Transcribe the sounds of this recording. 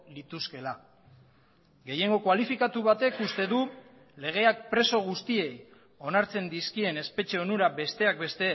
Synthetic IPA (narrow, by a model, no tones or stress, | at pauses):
lit̪uske̞la | ɡe̞je̞ŋɡo̞kwalifikat̪uβat̪e̞kust̪e̞ðu | le̞ɣ̞e̞ak̚pɾe̞so̞ɣ̞ust̪ie̞j | o̞naɾt͡se̞nd̪iskie̞ne̞spe̞t͡ʃe̞onuɾabe̞st̪e̞ak̚be̞st̪e̞